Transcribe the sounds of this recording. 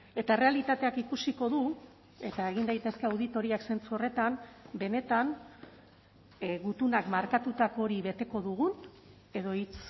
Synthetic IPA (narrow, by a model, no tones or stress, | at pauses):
e̞t̪aere̞alit̪at̪e̞akikusiko̞ðu | e̞t̪ae̞ɣ̞ind̪ajt̪e̞ske̞awð̞it̪o̞ɾiakse̞nt͡suo̞re̞t̪ambe̞ne̞t̪an | ɣut̪unakmaɾkat̪ut̪akooɾiβe̞t̪e̞ko̞ðuɣ̞un | e̞ðo̞it͡s